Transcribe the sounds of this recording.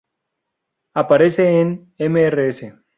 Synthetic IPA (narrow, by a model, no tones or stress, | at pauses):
apaɾeseːn | emeereese